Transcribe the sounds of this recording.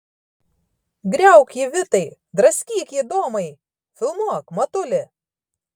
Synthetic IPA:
ɡɾʲɛˑʊkʲiːʋʲɪt̪ɐɪ | d̪ɾɐsʲkʲiːkʲiːd̪oːmɐɪ | fʲɪlˠmuɔkmɐt̪ʊlʲɪ

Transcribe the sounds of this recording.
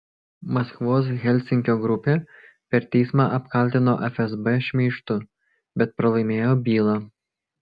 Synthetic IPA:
mɐskʋoːs̬ɣʲɛlʲˑsʲɪŋʲkʲoːɡɾʊpʲeː | pʲɛɾt̪ʲɛɪsmɑʔɐpkɐlʲt̪ʲɪno̰ːʔɛfʲɛzbɛʃʲmʲiːʃt̪ʊ | bʲɛt̪̚pɾɐlˠɐɪmʲeːjoːbʲiːlˠɑ

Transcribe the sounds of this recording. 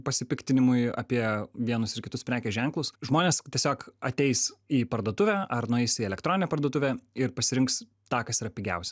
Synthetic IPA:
pɐsʲɪpʲɪkt̪ʲɪnʲɪmʊɪɐ̰pʲiɛʋʲiɛnʊsɪɾkʲɪt̪ʊspʲɾʲæːkʲɛʒʲɛŋklˠʊsʒmoːnʲeːstʲiɛsʲoːkɐt̪ʲɛɪsiːpɐɾd̪uːt̪ʊʋʲæɐrnʊɛɪsiɛlʲɛkt̪ɾoːnʲɪnʲɛpɐɾrd̪uɔt̪ʊʋʲæɪɾpɐsʲɪɾʲɪŋks | t̪ɑːkɐsɪɾɐpʲɪɡʲɛ̰ʊsʲɛ

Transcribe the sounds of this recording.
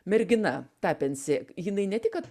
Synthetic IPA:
mʲɛɾʲɡʲɪnɐt̪ɑːpʲɛnʲsʲeːjɪnɐɪnʲɛt̪ʲɪkkɐt̪

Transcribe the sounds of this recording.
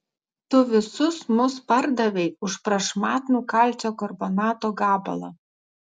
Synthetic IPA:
t̪ʊʋʲɪsʊsmʊspɐɾd̪ɐʋʲɛɪʊʃpɾɐʃmɑːt̪nuːkɐlʲt͡s̪ʲoːkɔɾbɔnɑːt̪oːɡɑːbɐ̰lˠɐ̰

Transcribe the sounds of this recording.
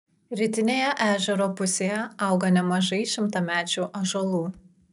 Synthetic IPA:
ɾʲɪt̪ʲɪnʲeːjɛʔæːʒʲɛɾoːpʊsʲeːjɛɐˑʊɡɐnʲɛmɐʒɐɪʃʲɪmt̪ɐmʲæːt͡ʃʲuːʔɐʒɐlˠuː

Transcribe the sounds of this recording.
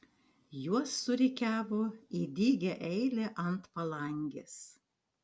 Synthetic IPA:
juɔsːʊɾʲɛkʲæːʋoːiːd̪ʲiːɡʲɛʔɛɪlʲeʔɐnt̪pɐlˠɐŋʲɡʲɪs

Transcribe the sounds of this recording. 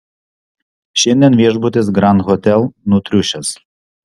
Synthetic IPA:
ʃʲɪnʲd̪ʲiɛnʋʲiɛʒbʊt̪ʲɪs̬ɡɾɑnɣɔt̪ʲɛlˠnut̪ʲɾʲʊʃʲɛs

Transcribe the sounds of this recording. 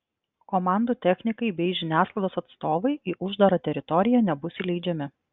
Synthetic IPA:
komɑˑnd̪uːt̪ʲɛxʲnʲɪkɐɪbʲɛɪʒʲɪnʲæːsklˠɐɪd̪oːsɐt̪st̪oːʋɐɪʔiːʔʊʒd̪ɐɾɐt̪ʲɛɾʲɪt̪ɔɾʲɪjɛnʲɛbʊsʲɪlʲɛɪd͡ʒʲɛmʲɪ

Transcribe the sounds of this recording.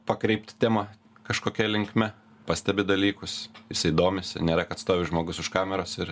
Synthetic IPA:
pɐkɾʲɛɪpʲt̪ʲt̪ʲeːmɑ | kɐʃkoːkʲɛlʲɪŋkmʲɛ | pɑsʲt̪ʲɛbʲɪd̪ɐlʲiːkʊsjɪsɪːd̪oːmʲɪsnʲɛːɾʲɛkɐt̪st̪oːʋʲɪʒmoːɡʊsʊʃkɑːmʲɛɾoːsɪɾ

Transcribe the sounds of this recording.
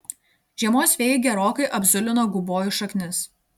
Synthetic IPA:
ʒʲiɛmoːsʲʋʲeːjɡʲɛɾoːkɐɪʔɐbʲzʊlʲɪnoːɡʊboːjʊʃɐkʲnʲɪs

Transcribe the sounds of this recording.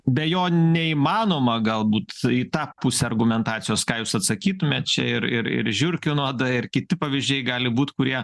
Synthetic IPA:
bʲɛjoːnʲɛiːmɑːnoːmɐɡɐlˠbuːt̪it̪ɑːpʊsʲɛɐrɡʊmʲɛnt̪ɑːt͡s̪ʲɪjoːskɑːjuːsɐt̪sɐkʲiːt̪ʊmʲeːt̪̚t͡ʃʲɛ̰ɪɾɪ̰ɾɪ̰ɾʒʲʊrʲkʲʊnuɔd̪ɐɪrkʲɪt̪ʲɪpɐʋʲɪzʲd͡ʒʲɛɪɡɑːlʲɪbuːt̪kʊɾʲiɛ

